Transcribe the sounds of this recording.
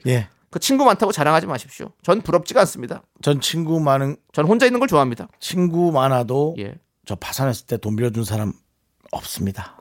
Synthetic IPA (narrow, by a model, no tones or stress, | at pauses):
je̞ | kɯt͡ɕʰinɡumantʰaɡot͡ɕaɾaŋɦad͡ʑimaɕʰi̥p̚ɕ͈io̰t͡ɕʌnpuɾʌp̚t͡ɕ͈iɡans͈ɯmɲida̰ | t͡ɕʌnt͡ɕʰinɡumanɯnt͡ɕʌnɸond͡ʑainːɯnɡʌɭt͡ɕoaɦamɲidat͡ɕʰinɡumanɦadoje̞̰ | t͡ɕʌpasʰanɦes͈ɯ̥ɭt͈e̞tombiɾʌd͡ʑunsʰaɾam | ʌ̰p̚s͈ɯmɲida